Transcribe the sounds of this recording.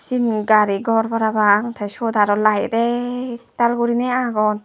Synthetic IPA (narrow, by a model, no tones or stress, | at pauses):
sinɡaɾiɡɔɾbaɾabaŋt̪ʰɛʃɔd̪aɾɔlajd̪ɛt̪alɡuɾinɛʔaɡɔn